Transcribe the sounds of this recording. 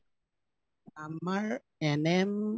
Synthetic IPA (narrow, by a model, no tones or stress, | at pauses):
amaɾ | ɛnɛm